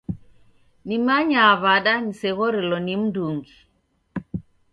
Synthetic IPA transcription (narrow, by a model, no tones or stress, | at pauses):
nimaɲaːβaɗanisɛɣɔɾɛlɔnim̩duŋɡi